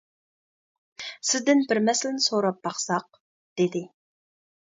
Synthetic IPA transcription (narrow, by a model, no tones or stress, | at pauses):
sɪzd̪ɪnbɪɾmɛslɪnɪsoɾɑp̚bɑχsɑq̚ | d̪̥ɪd̪ɪ